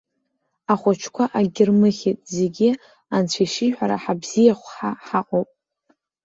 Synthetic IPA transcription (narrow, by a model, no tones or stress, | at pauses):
aχʷat͡ʃʰkʷʰaʔaɡʲɪrmɨχʲitʼze̞ɡʲi | ant͡ɕʷʰiʃiħʷᶣaɾaħabz̥ijaχʷħaħaqʼowpʼ